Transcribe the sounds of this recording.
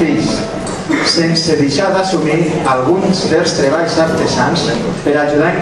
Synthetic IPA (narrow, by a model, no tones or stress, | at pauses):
iʎs | senseðeʃaðasumialɣunzβelˠst̪ɾeβ̞aʎzaɾt̪ezanspəɾaʒuða